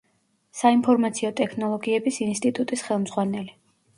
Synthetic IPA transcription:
saimpʰɔɾmat̪sʰiɔt̪ʼɛkʰnɔlˠɔɡiɛbisinst̪ʼit̪ʼut̪ʼisχɛlˠmz̥ʁwanɛli

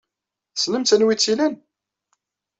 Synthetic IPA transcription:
snəmt̪ənwit͡sːilən

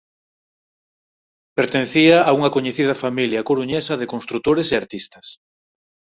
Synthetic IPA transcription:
peɾt̪en̟θiaːuŋɐkoɲeθiðɐfamiljɐkoɾuɲesɐðekonst̪ɾut̪oɾeseaɾt̪ist̪ɐs

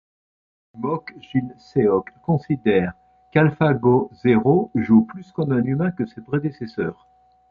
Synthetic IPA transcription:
mɔkʒilseɔkːɔ̃sid̪ɛːʁ | kalfaɡozeʁoʒuplyskɔmɛ̃nymɛ̃kəsepχed̪esɛsœːʁ

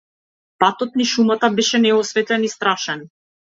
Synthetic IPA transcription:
pat̪ɔt̪niʃumat̪abɛʃɛnɛɔsvɛt̪ɛnist̪ɾaʃɛn

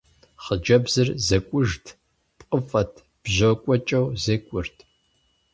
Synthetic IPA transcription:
χəd͡ʒɐbzɨrzɐkʷʼʊʒtʰ | pʼqʼəfʼɐtʰ | b̥ʑokʷʼɔt͡ʃʼɐwzɐkʷʼʊrtʰ

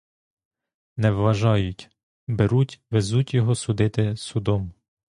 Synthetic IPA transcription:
nɛʋʋɐʒɑjʊtʲ | beɾutʲʋezutʲjɔɦɔsʊd̪ɪt̪ɪsʊd̪ɔm

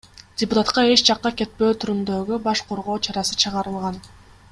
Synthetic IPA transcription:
dʲɪpʊt̪at̪qɑe̞t͡ʃd͡ʒɑqːɑke̞t̪̚pø̞ːt̪ʰyɾymd̪øɡybɑʃqʰo̞ɾʁo̞ːt͡ʃʰɑɾɑsɯt͡ʃʰɯʁɑɾɯlˠʁɑn

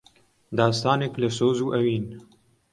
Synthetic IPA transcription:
d̪ɑːst̪ɑːneklɨsoːzuːʔɛwiːn

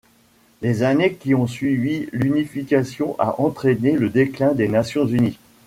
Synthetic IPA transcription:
lezanekʲiɔ̃sɥivilynifikʲasjɔ̃ʔa̰ʔɑ̃t̪χeneləd̪eklɛ̃d̪enasjɔ̃zyni

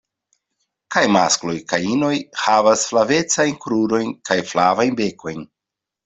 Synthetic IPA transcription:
kajma̰sklo̞jkajino̞jhavasflave̞t͡sajnkɾuɾo̞jnkajflavajnbe̞kʰo̞jn

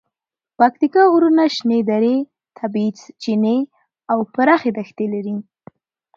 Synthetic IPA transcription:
pak̚t̪ikɑuɾunaʃned̪aɾe | t̪ʰabit͡st͡ʃine | awpəɾɑxed̪axt̪elaɾi

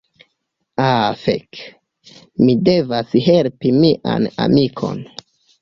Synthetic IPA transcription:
afḛk | mide̞vasɦe̞lpimiʔa̰na̰mikʰo̞̰n

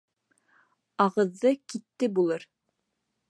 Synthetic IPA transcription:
ɑʁɤ̆ðːɤkit̪ːɘbulˠɤɾ

